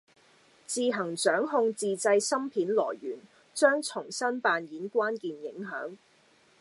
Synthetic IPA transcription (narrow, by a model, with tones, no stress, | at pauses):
t͡siː˧ɦɐ˨˩ŋt͡ʃœː˨˥ŋɦʊ˧ŋt͡siː˨˧t͡sɐ˧jsɐ˥mpʰiː˨˥nlɔː˨˩jɥyː˨˩n | t͡ʃœː˥ŋt͡ʃʰʊ˨˩ŋsɐ˥npaː˧njiː˨˥nkʷwaː˥nkiː˨njɪ˨˥ŋɦœ̰ː˨˥ŋ